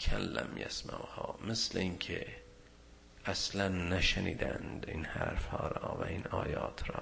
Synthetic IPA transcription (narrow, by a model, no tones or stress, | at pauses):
kʰælːæ̰mjæ̰smæʔhɑːmesleinkʲʰe | æslænːæʃeniːd̪ænd̪inhæɾfhɒːɾɑːvæinɑːjɑːt̪ʰɾɑː